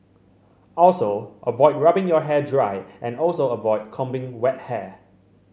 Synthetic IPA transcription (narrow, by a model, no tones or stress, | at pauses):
ɔlsoʔəvɔɪd̚ɹabɪ̃ŋjɔɦɛdɹaɪʔɛ̃nɔlsoəvɔɪd̚kʰɔ̃mbɪ̃ŋwɛt̚hɛ